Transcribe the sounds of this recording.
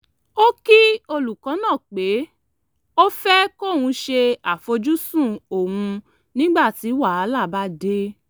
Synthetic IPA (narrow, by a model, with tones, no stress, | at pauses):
o˦ki˦o˧lu˨kaɔ̃˨˦nãː˦˨k͡pe˨˦ | o˦fɛ˦ko˦˨wũ˧ʃe˧a˨fo˧d͡ʒu˦sũ˦˨o˨wũ˧ | nĩ˦ɡ͡ba˦˨ti˨˦wa˦˨a˨˦la˦˨ba˦de˦